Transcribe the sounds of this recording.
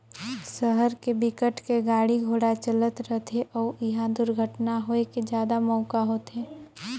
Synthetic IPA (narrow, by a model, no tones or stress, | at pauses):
səɦəɾkebɪkəʈkeɡaːɽiɡʱoːɽat͡ʃələt̪ɾəɦt̪ʰeʔɔːɪɦãd̪ʊɾɡʱəʈnaɦoeked͡ʒjaːd̪amɔːkaɦoːt̪eː